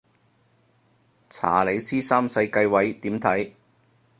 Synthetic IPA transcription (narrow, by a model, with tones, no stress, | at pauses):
t͡sʰa̰ː˨˩le˨˧jsiː˥saː˥msɐ˧jkɐ˧jwɐ˨˥jt̪iː˨˥mt̪ʰɐ˨˥j